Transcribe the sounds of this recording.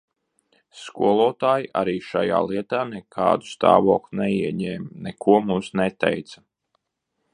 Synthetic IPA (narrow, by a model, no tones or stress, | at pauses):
skuɔlˠɔːt̪aːjiʔa̰ɾiːʃa̰ja̰ːlˠiɛt̪aːnɛkʰa̰ːd̪u̥st̪a̰ːvɔ̰ːklʲunɛiɛɲɛːmnɛkʰuɔmumsnɛt̪ɛ̰jt̪sḁ